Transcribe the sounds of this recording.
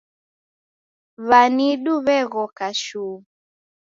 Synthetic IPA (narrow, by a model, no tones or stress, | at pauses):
βaniɗuβɛɣɔkaʃuː